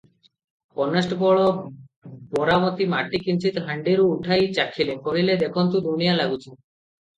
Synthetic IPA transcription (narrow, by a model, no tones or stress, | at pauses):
pɔnesʈbɔɭɔ | bɔɾamot̪imaʈːikint͡ɕʰit̪ɦaɳɖiɾuuʈʰajt͡ɕakʰilekoɽiled̪ekʰɔnt̪ud̪unijalaɡut͡ɕʰen